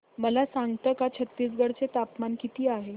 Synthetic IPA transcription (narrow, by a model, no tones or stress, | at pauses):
məlasaŋɡt̪əːkat͡ɕʰət̪ːiːsɡəɽt͡set̪apmankit̪iːaɦe